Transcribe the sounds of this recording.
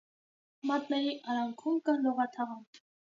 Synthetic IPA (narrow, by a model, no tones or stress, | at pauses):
mɑt̪nɛɾiʔɑɾɑŋkʰumkɑlɔʁɑt̪ʰɑʁɑn